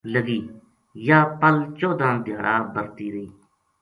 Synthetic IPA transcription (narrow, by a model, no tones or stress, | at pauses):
ləɡiː | jaːpəlt͡ʃoːd̪ãːd̪ʱɪjaːɽaːbəɾt̪iːɾəiː